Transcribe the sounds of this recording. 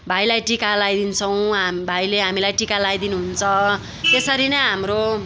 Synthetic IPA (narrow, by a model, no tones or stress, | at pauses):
bʱajlajʈikalajd̪int͡sʰʌw̃ɦabʱajleɦamilajʈikalajd̪inuɦunt͡sʰʌ | t̪esʌɾinʌjɦamro